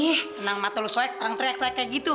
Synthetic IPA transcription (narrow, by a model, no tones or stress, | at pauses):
ɪhənaŋmat̪olusɔɛk̚t̪əɾaŋt̪ɾiak̚t̪ɾiakaɡit̪u